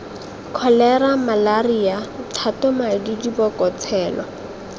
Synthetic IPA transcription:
kʰɔlɛɾamalariatʰatɔmadidibɔkɔt͡sʰɛːlɔ

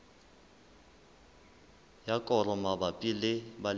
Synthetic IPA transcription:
jakʼɔrɔmabapʼilɪbal

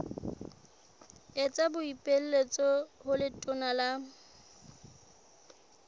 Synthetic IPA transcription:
et͡sʼabʊipʼel̩let͡sʼɔhʊlɪtʼʊnala

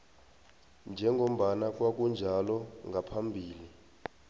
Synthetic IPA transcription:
nd͡ʒʱɛŋɡʱom̩ɓanak̬ʼwak̬ʼund͡ʒʱalɔŋɡʱapʰambʱiːli

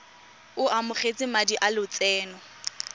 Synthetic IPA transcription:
ʊʔamʊχet͡sʼɪmadiʔalʊt͡sʼɛːnɔ

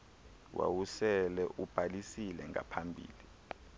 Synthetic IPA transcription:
wa̰wusɛlɛʔub̥ʱalisilɛŋa̰pʰambʱḭːli

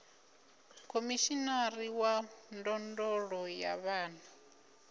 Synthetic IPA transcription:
kʰomiʃinaɾiwandɔndɔɺɔjaβaːna

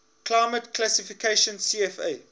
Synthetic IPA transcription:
klaɪmətkʰlæsifikʰeʃə̃nsiɛfḛɪ

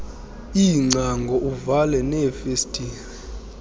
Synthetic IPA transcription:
iːŋ͡ǀaŋɡʱɔʔuvalɛnɛfestʼiːli

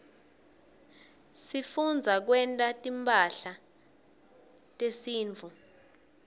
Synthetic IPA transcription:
sifund͡zʱak̬wɛntʼatʼimpʼaɬa | tʼesiːɱt͡fu

